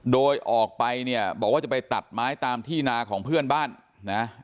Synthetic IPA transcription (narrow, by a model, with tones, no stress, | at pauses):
doː˧jʔɔː˨˩k̚pa˧jni˥˩ɐəbɔː˨˩k̚waː˥˩t͡ɕa˩pa˧jt̪a˨˩t̪̚maː˦˥jt̪aː˧mt̪ʰiː˥˩naː˧kʰɔː˩˦ŋpʰɯ˥˩ənbaː˥˩nː | a˦˥